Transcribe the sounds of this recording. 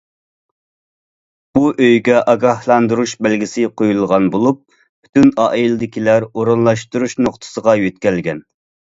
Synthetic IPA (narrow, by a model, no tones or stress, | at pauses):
b̥uʔøjɡʲɛʔɑɡɑhlˠɑnd̪uɾuʃbælɡʲɪsɪqʰojulˠʁɑnbolˠup̚ːʰ | y̥t̪ynɑːʔilˠɪd̪ɪkʲʰilæɾoɾunlˠɑʃt̪uɾuʃnoqt̪ʰə̥səʁɑjøt̪̚kʲɛlɡʲɛn